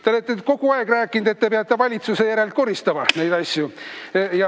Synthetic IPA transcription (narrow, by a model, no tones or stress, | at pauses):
t̪ɑolet̪ːˑeko̞ɡ̥uɑe̞ɡ̥ræːkːˑind̪̥e̞t̪ːe̞peɑt̪ːˑevɑlʲit̪suse̞jæɾe̞lt̪̚ko̞ɾist̪ɑmɑne̞jd̪ɑsʲjujɑ